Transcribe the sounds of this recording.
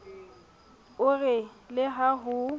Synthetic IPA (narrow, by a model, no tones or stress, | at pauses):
ʊrɛlɪɦaɦʊ